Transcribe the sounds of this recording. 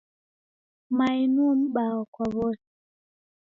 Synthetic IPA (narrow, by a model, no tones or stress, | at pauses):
mainuɔm̩ɓaɔkwaβɔs